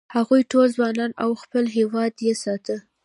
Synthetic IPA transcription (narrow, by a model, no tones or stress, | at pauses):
haɣujʈolzwɑnɑnawxpəlɦewɑd̪jesɑt̪ə